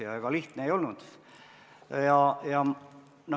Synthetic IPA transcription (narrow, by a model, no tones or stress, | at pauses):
ɑeɡ̥ɑliht̪neejo̞lnud̪̥ | jɑjɑ | nɑ